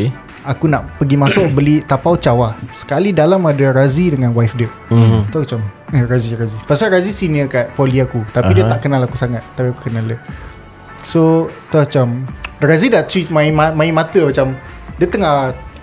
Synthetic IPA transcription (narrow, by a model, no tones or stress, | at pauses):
akunaʔpəɡimasʊʔbəlit̪apawt͡ʃawasə̥kalidalamadaɾazidəŋãnwajfdiə | t̪ɔt͡ʃaməraziɾazipasaɾazisinəkat̪̚poliakut̪apidiət̪aʔkənãlakusaŋat̪̚ːapiakukənalə | sot̪ɔt͡ʃamɾazidaʔt̪ɾimaimamãimat̪əmat͡ʃam | diət̪əŋah